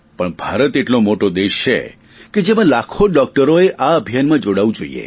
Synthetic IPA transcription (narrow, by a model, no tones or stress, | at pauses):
pəɳbʱaɾət̪eʈlomoʈod̪eʃt͡ʃʰḛ | ked͡ʒemãlakʰoɖɔk̚ʈəɾoeʔaəbʱijanmãd͡ʒoɽaʋũd͡ʒoḭḛ